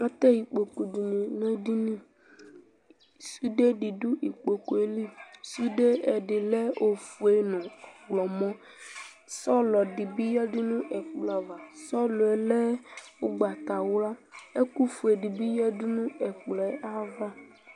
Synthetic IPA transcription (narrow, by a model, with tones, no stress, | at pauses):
a˦t̪ɛ˦ji˨k͡po˨ku˨di˨nĩ˨nɛ̃˦di˦nĩ˦˨ | su˦de˦ɖi˨ɖu˦i˨k͡po˨ko˨e˨li˦su˦ɖe˦ɛ˨ɖe˨lɛ˦o˨fu˨e˦nɔ̃˨wlɔ˨mɔ̃˦ | sɔ˦lɔ˨ɖi˨bi˦jɛ˦di˦nũ˦ʔɛ˨fu˦la˨va˨sɔ˦lo˨ɛ˨lɛ˦wo˦ɡ͡ba˨t̪a˨wo˦la˦e˦ku˦fu˨e˨ɖi˨bi˦jɛ˦di˦nũ˦ɛ˨k͡plɛ˨a˦va˦